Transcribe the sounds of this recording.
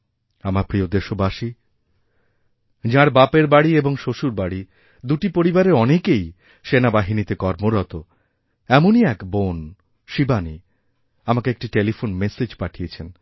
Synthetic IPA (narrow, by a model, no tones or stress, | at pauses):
amaɾpɾiod̪eʃobaʃi | d͡ʑãɾbapeɾbaɽieboŋʃoʃuɾbaɽi | d̪uʈipoɾibaɾeɾɔnekej | ʃenabaɦinit̪ekɔɾmoɾɔt̪o | ɛmoniɛkbon | ʃibani | amakeek̚ʈiʈelifonmesed͡ʑpaʈʰijet͡ɕʰen